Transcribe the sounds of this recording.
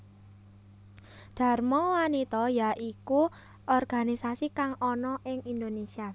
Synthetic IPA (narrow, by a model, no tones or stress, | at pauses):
d̪̥a̤rmɔwanit̪ɔjaʔiku | ʔɔrɡ̥a̤nisasikaŋɔnɔʔɪŋind̪onesia